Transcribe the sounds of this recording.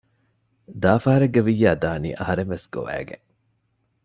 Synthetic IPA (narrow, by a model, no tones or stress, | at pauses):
d̪aːfaːɾɐɡːeʋijːæːd̪aːnḭːʔɐɦɐɾenʋesɡ̥o̰ʋæ̰ːɡḛŋ